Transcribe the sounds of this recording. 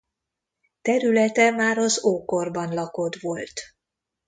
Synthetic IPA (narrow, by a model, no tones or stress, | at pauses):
t̪ɛɾylɛt̪ɛmaːɾɒzoːko̞rbɒnlɒko̞d̪ʋo̞lt̪